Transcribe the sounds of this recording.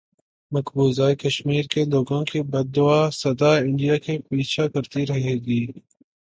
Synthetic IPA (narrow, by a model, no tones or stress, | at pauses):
mɐkbuːzaːjkɐʃmiːɾkeloːɡõkibɐd̪ːʊaːsɐd̪aɪ̃ɳɖijakepiːt͡ʃʰakɐɾt̪iɾɐɦeːɡiː